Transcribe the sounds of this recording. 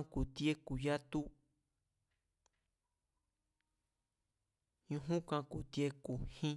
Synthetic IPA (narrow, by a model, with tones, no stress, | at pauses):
ku˨t̪je˦ku˨ja˦t̪u˦ | ɲũ˧ɦũ˦kã˧ku˨t̪je˧ku˨hĩ˦